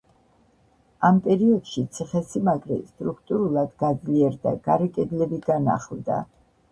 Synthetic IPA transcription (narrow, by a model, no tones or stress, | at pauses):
ampʼɛɾiɔd̪̥ʃit̪sʰiχɛsimaɡɾɛ̰st̪ʼɾukʰt̪ʼuɾulˠad̪ɡad̪zliɛɾd̪a̰ɡ̥aɾɛkʼɛd̪lɛbiɡana̰χld̪a̰